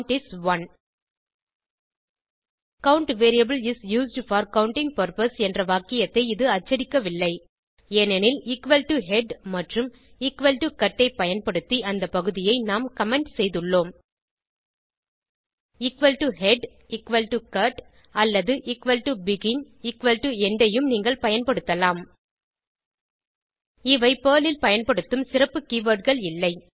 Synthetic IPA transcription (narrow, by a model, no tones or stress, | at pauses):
ʈɪsʋɐn | kɐʊɳʈʋeːɾɪjɐbɪlɪsjuːsɖfɐːɾkɐʊɳʈɪ̃ŋ̚pɐɾpɐsɛndrɐʋaːkɪjɐt̪ːɐɪɪðɯɐt͡ʃːɐɽɪkːɐʋɪlːɐɪ | eːnɛnɪlɪkʋɐlʈuɦɛɖmɐʈrɯm | ɪkʋɐlʈukɐʈːɐɪpːɐjɐnpɐɽɯt̪ːiʔɐnd̪ɐpːɐɣɯðɪjɐɪnaːmkɐmɛɳɖsɛjðɯɭːoːm | ɪkʋɐlʈuɦɛɖ | ɪkʋɐlʈukɐʈ | ɐlːɐðɯʔɪkʋɐlʈubɪɣɪn | ɪkʋɐlʈuɛɳɖɐjɯmniːŋɡɐɭpɐjɐnpɐɽɯt̪ːɐlaːm | ɪʋɐɪpeːlɪlpɐjɐnpɐɽɯt̪ːɯmsɪrɐpːɯkiːʋɐːʈɣɐɭɪlːɐɪ